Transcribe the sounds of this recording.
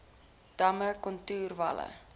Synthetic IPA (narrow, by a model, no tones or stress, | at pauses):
d̥ɐməkɔntuːrvɐ̰lə̰